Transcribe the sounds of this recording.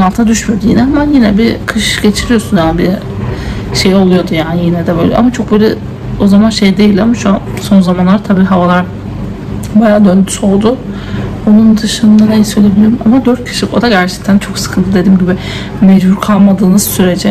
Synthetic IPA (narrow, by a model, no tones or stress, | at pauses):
alˠt̪ʰad̪yʃmed̪ijinɛɦamanjinɛbikʰɯʃɟe̞t͡ʃʰiɾijo̞sunjaːnbi | ʃe̞jo̞lˠujo̞d̪ujaːnijinɛd̪ɛbø̞jlʲɛ̰ʔa̰mat͡ʃʰo̞k̚bølʲɛ | o̞zamanʃe̞jd̪e̞jilʲdamaʃuanso̞nzamanlˠaɾt̪ʰabiːɦavalˠaɾ | bajaːd̪ø̞nd̪y̥so̞lˠd̪ʊ | onund̪ɯʃɯnd̪anejisø̞jlʲebilʲjoɾumamad̪øɾt̪̚cʰi̥ʃlko̞d̪aɟæɾt͡ʃʰɛ̥c̚t̪ʰænt͡ʃʰo̞ksɯ̥kʰɯnt̪ʰɯd̪e̞d̪iːmɟibɪ | med͡ʒbuɾkʰalˠmad̪ɯːnɯz̥syɾe̞d͡ʒɛ